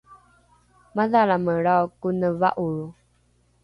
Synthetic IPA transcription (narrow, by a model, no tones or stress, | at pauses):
maðaɭaməɭawkunəva̰ʔuɻu